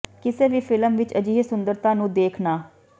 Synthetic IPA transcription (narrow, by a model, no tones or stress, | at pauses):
kɪseːʋiːpʰɪləmʋɪt͡ʃəd͡ʒiːsʊnd̪əɾt̪ãːnũːd̪eːkʰnaː